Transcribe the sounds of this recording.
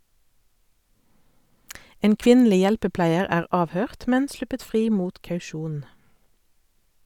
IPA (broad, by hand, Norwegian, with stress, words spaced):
ˈeːn ˈkʋɪnˌliː ˈjɛlpəˌplæɪəʁ ˈæːʁ ˈɑːʋˌhøːʁt ˈmɛn ˈslʉpət ˈfʁiː ˈmuːt ˌkɑʉˈʃuːn